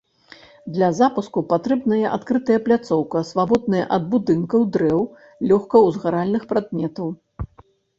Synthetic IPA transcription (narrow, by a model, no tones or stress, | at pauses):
d̪lʲɐzapuskupat̪ɾɛbnɐjɐʔat̪kɾɨt̪ɐjɐplʲat̪sɔwkɐsvabɔd̪̚nɨjɐ̰ʔɐd̪̚bud̪ɨnkɐwd̪ɾɛw | lʲɔxkɐwzɣaɾalʲnɨxpɾad̪mʲɛt̪ɐw